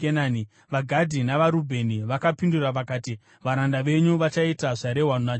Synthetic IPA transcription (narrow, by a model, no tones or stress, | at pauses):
enaːni | ʋaɡʱadʱinaʋaɾubʱe̞niʋakapinduraʋakaːti | ʋaɾandaʋe̞ɲuʋat͡ʃaitaʐaɾe̞ɦwanuna